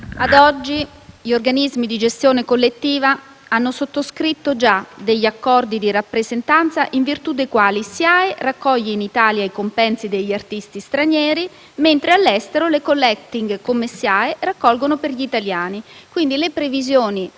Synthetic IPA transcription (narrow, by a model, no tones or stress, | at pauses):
ad̪ɔd͡ʒːiʎorɡanizmid̪id͡ʒest̪joːnekolːet̪ːiːva | anːosot̪ːoskɾit̪ːod͡ʒad̪eʎːakːɔrd̪id̪iɾapːɾezent̪ant̪saʔiɱvirt̪ud̪ejkwaːlisjaːerakːɔʎːeinit̪aːljaikompɛnsid̪eʎːart̪ist̪ist̪ɾaɲjɛːɾi | ment̪ɾealːɛst̪eɾolekolːɛkt̪iŋɡkomesjaːerakːɔlɡonoperʎiːt̪aljaːnikwind̪ilepɾevizjoːni